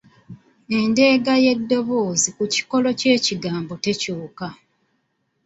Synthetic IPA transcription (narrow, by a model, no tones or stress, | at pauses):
e̞nde̞ːɡaje̞dːo̞βo̞ːzikuci̥ko̞lo̞ce̞ːciɡaːmbote̞cuːka